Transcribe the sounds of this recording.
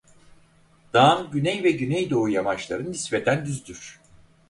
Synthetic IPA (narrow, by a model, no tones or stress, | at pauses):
d̪̥aːnɟynɛjvɛɟynɛjd̪o̞ujamat͡ʃlˠaɾɯnisved̪ænd̪yzd̪yɾ̥